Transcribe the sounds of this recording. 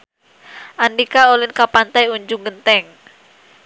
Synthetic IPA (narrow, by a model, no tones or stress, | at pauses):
ʔandikaolɪnkapant̪ajuɲd͡ʒuŋɡənt̪ɛŋ